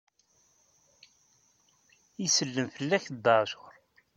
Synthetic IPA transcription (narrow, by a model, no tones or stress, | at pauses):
isəlːəmfəlːæçd̪ːɑʕʃʊ̥ɾˤ